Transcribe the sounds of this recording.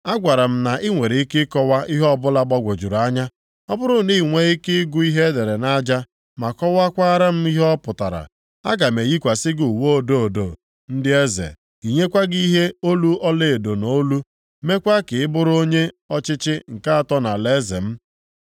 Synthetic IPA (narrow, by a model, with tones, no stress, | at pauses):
a˦ɡʷa˨ɾa˨m̩˦na˨ʔɪ˦ŋʷe˨ɾi˨i˦kɪ˦kɔ˦wa˦i˦ɦɔ˦bʊ˦la˦ɡ͡bɔ˦ɡʷo˨d͡ʒu˨ɾu˨a˦ɲa˦ | ɔ˦bʊ˦ɾʊ˦˨˦ni˦˨ŋʷe˦ɪ˦kɪ˦ɡʊ˦i˦ɦe˦de˨ɾe˨na˦d͡ʒa˦ | ma˨kɔ˦wa˦kʷa˦ɾa˦m̩˦i˦ɦɔ˦pʊ˨ta˨ɾa̰˨ | a̰˦ɡa˨me˨ji˦kʷa˨sɪ˦ɡu˨wo˦˨do˦o˨do˨ | n̩˦dɪ˦e˦zḛ˨ | i˨ɲe˦kʷa˦ɡi˦ɦe˦o˦lu˦ʔɔ˦le˦˨e˨do˨no˦lu˦ | me˦kʷa˦kɪ˨ɪ˦bʊ˦ɾo˦ɲe˦ | ɔ˦t͡ʃɪ˦t͡ʃɪ˦ŋ̩˨ka˦a˦tɔ˦na˨le˦zḛ˨m̩˦